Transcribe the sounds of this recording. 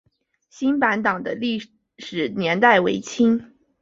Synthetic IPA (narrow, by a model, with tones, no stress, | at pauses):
ɕi˥npa˧˥nt̪ɑ˨˩ŋd̪ə˦li˥˩ | ʂɻ̩˨˩njɛ˧˥nt̪a˥˩ɪwḛ˧˥ɪt͡ɕʰi˥ŋ